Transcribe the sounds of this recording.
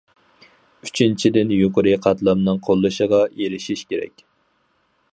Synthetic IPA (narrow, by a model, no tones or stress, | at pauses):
yt͡ʃʰint͡ʃʰid̪ɪnjoqəɾɨqʰɑt̪lˠɑmnɨŋqʰolˠːɨʃəʁɑjeɾɪʃiʃkʲeɾɛ̰kʲ